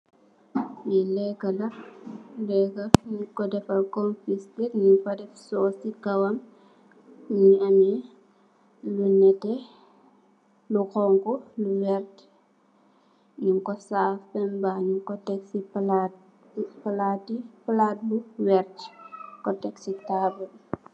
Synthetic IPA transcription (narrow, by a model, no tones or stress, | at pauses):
jɛlɛɡɐlɐ | lɛɡɐɲikɔdɛfɐkɔnfistiɾɲiŋfɐdɛfsɔːsikɐwɐm | ɲiɐmi | lunɛtɛ | lukɔŋkɔluwɛɾt | ɲuŋkɔsaːfpɛmbaːɲuŋkɔtɛksipla | pɐlatipɐlat̚luwɛrtkɔtɛksitaːbul